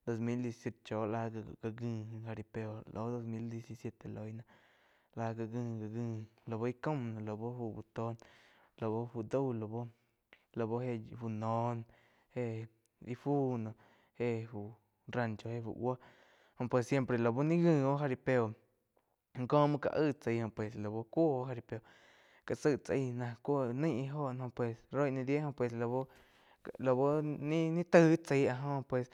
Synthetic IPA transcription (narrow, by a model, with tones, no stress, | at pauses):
d̪o˧s̬mi˦ld̪je˧si̥˧sje˧t̪t͡ʃo˨˦la˧˦a˧ɡa˧ɡɨ˧xa˧ɾi˧˨pe˧o˧lʔo˨˦d̪o˧smi˦ld̪je˧si˧sje˧t̪e˨lo˧jna˧ | la˧ɡa˧ɡɨ˧ɡa˨ɡɨ˧lo˨βo˦i˦ko˦mna˨lo˨bo˦fu˧bu˧t̪o˧n | lo˨bo˦fu˧d̪o˦wlo˨bo˦ | lo˨bo˦he˧fu˧no˧˦n | he˦ | i˧fu˦no˨˧ | he˧fu˨ | ɾa˧˨nt͡ʃo˧he˧fṵ˧˨wa˦ | hõ˧˨pwe˧sje˦mpɾe˧˨lo˨bo˦nĩ˦ɣɨ̃˧˨o˦ɦa˧ɾi˧pe˧o˨ | ŋkõː˦mɨ̃˧ka̰˧ʔɨ˦˨t͡sə˧˨hõ˧˨pwe˨slo˨bo˧kʷo˦o˦ɦa˧ɾi˧pe˧o˨ | ka˨t͡sɨ˧˨ʔt͡si˧nã˧kʷo˦nə̃˦jʔi˧ɦo˦˨ʔn˧hõ˧pwe˧˨sɾo˦jʔnĩ˧d̪je˦hõ˧˨pwe˧˨slo˧bo˦ | lo˧˨bo˦nĩ˦nĩ˦t̪ɨ˦t͡se˧˦a˧ɦõ˧pwe˨s